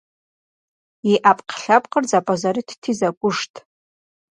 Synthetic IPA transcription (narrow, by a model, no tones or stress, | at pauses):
iʔapʼqʰɬapʼqʼərd͡zapʼazaɾitʰtʰizakʷʼʊʂtʼ